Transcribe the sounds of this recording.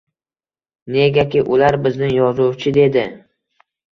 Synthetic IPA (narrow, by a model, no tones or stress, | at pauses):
ne̞ɡʲakʲɪʔʊlaɾbɪznɪŋjɒzʊwt͡ʃʰɪd̪e̞d̪ɪ